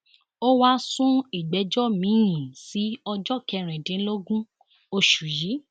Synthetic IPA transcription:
o˦wa˦sũ˦i˨ɡ͡bɛ˨˦d͡ʒɔ˦mĩ˨˦jĩ˨si˨˦ɔ˧d͡ʒɔ˦˨kɛ˧˨ɾ̃ĩ˨dĩ˨˦lo˦ɡũ˦ | o˧ʃu˨ji˨˦

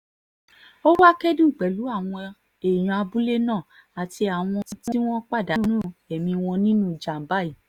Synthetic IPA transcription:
o˦wa˦kɛ˦di˦u˦˨k͡pɛ˨lu˨˦a˦˨w̃ɔ̃˧ | e˨j̃ɔ̃˨˧a˧bu˦le˦nãː˦˨ | a˨ti˧a˨w̃ɔ̃˧ĩ˦ti˦i˦w̃ɔ̃˦k͡pa˦˨da˨˦nũ˦˨ɛ˨mĩ˧w̃ɔ̃˧nĩ˦nũ˦˨d͡ʒa˨m̩˨ba˦˨i˨

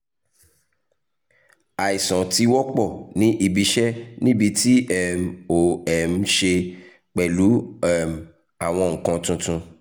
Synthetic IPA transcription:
a˨i˨sɔ̃˨ti˧wɔ˦k͡pɔ˦˨nĩ˨˦ʔi˦˨bi˨˧ʃɛ˦nĩ˦bi˧ti˦ɛ˦mo˨ɛ˨m̩˧ʃe˧ | k͡pɛ˨lu˨˦ɛ˦˨m˨ | a˨w̃ɔ̃˧ŋ̩˨kã˧tũ˧tũ˧

